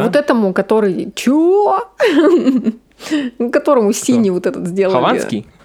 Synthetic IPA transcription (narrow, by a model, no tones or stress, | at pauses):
vot̪ɛt̪əmʊkɐt̪o̞ɾɨjt͡ɕu | kɐt̪o̞ɾəmʊsʲinʲɪvot̪ɛt̪ət̪zʲdʲelˠɐlvanskʲɪ̰j